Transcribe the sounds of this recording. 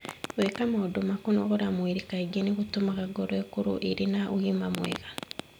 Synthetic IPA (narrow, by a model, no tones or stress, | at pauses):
wekamoːdomakonoɣoɾamwiɾikaiɡeniɣutumaɣaɡoɾoekuɾṵʔeɾenaʔuɣimamwḛɣa